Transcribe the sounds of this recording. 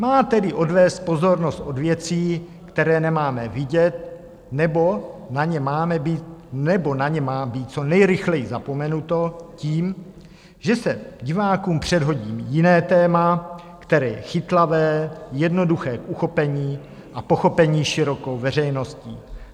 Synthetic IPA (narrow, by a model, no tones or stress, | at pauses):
maːt̪ɛdɪʔo̞dvɛːst̪̚po̞zo̞ɾno̞st̪ʔo̞dvjɛt͡siː | kt̪ɛɾɛːnɛmaːmɛvɪɟɛt̪̚ | nɛbonaɲɛmaːmɛbiːnɛbo̞naɲɛmaːbiːt̪̚t͡so̞nɛjɾɪxlɛjɪzapo̞mɛnut̪o̞ciːm | ʒɛsɛɟɪvaːkuːmpr̝̥ɛdɦo̞ɟiːmjɪnɛːt̪ɛːma | kt̪ɛɾɛːjɛxɪt̪lavɛːjɛdno̞duxɛːkʔuxo̞pɛɲiː | ʔapo̞xo̞pɛɲiːʃɪɾo̞ko̞wvɛr̝ɛjno̞sciː